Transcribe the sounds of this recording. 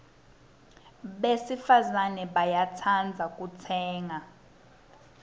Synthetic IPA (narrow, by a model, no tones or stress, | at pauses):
ɓesifazanɛɓajatʰand͡zʱakʼutʰɛːŋa